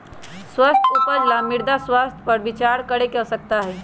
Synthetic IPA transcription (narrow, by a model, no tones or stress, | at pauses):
swəst̪ʰupəɾlamɪɾd̪aswaːst̪ʰpəɾbɪt͡ʃaːɾkəɾekɛsək̚t̪aɦɛː